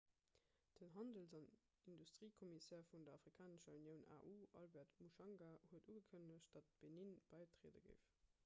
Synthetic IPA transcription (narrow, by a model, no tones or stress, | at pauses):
d̥ənɦɑndəlzɑn | industʁ̥iːkʰomisɛːɐfundɐɑfʁikʰaːnəʃəunjəʊnʔa̰ːʔuːʔɑ̰lbɛɐʁtmuʃɑŋɡahuətuːɡəkʰənəɕ̚d̥ɑt̚b̥eninb̥æɪtʁ̥eːdə̰ɡə̰ɪf